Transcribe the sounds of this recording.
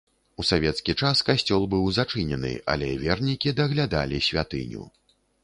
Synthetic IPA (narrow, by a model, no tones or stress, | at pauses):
usavʲɛt̪skʲit͡ʂaskasʲt͡sʲɔlˠbɨwzat͡ʂɨnʲɛnɨ̰a̰lʲɛvʲɛrnʲikʲid̪ɐɣlʲad̪alʲisʲvʲat̪ɨ̰nʲṵ